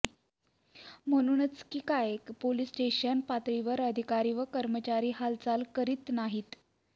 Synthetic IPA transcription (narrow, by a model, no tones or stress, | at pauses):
m̤əɽ̃uːnət͡skiːkajkpoliːsʈeɕənpat̪ɾiʋəɾəd̪ʱikaɾiːʋəkəɾmət͡ɕaɾiːɦalt͡salkəɾiːt̪naɦiːt̪